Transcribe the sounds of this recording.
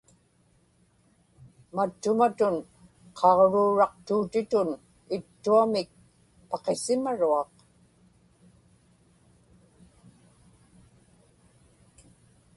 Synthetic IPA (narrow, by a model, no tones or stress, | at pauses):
mat̪ːʊmat̪ʊn | qʰɑʁɻuːɻɑq̚t̪uːt̪ɪt̪ʊn | ɪt̪ːuamɪk̚ | pɑqe̞sɪmaɻuɑq